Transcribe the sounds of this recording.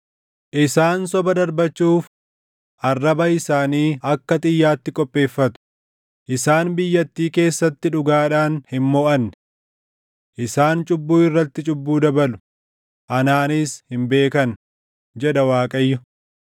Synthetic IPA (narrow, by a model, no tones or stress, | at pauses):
ʔɪsaːnsɔbɐd̪ɐɾbɐt͡ʃːuːf | ʔɐrːɐbɐɪsaːniːɐkːɐt̪ʼɪjːaːt̪ːɪkʼɔpʼːe̞ːfːɐt̪ʊ̥ | ʔɪsaːnbɪjːɐt̪ːiːke̞ːsːɐt̪ːɪᶑʊɡaːᶑaːnhɪmmoːʔɐnːɛ̥ | ʔɪsaːnt͡ʃʼʊbːuːɪrːɐt̪ːɪt͡ʃʼʊbːuːd̪ɐbɐlʊ̥ | ʔɐnaːnɪshɪmbe̞ːkɐn | d͡ʒɛᶑɐwaːkʼɐjːʊ